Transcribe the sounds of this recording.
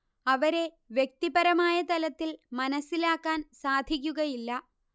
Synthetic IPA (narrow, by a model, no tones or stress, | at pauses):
ɐʋɐɾe̞ | ʋjek̚t̪ibɐɾɐmaːjɐt̪ɐlɐt̪ːilmɐnɐsːilaːkːaːnsaːd̪ʱik̬ʲːuɣɐjilːɐ